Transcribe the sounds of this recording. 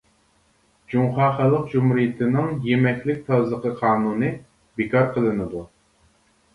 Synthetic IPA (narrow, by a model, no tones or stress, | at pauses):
d͡ʒuŋχɑːχɑlˠːəq̚d͡ʒumhɾijɪt̪ʰɪnɪŋjemɛkʲlɪk̚ʲt̪ʰɑzlˠəqʰəqʰɑːnunɨ | bekɑɾqʰəlˠɨnɨd̪u